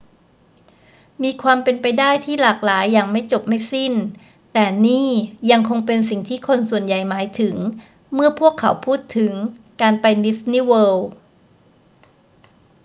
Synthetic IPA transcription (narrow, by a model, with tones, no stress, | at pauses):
miː˧kʰwaː˧mpe˧npa˧jdaː˥˩jt̪ʰiː˥˩laː˨˩k̚laː˩˦jːaː˨˩ŋma˥˩jt͡ɕo˨˩p̚ma˥˩jsi˥˩n | t̪ɛː˨˩niː˥˩ja˧ŋkʰo˧ŋpe˧nsi˨˩ŋt̪ʰiː˥˩kʰo˧nsu˨˩ənja˨˩jmaː˩˦jt̪ʰɯ˩˦ŋ | mɯ˥˩ɐpʰu˥˩əkʰːa̰˩˦wpʰuː˥˩t̪ʰːɯ˩˦ŋkaː˧npa˧jni˦˥sniː˥˩wɤː˧w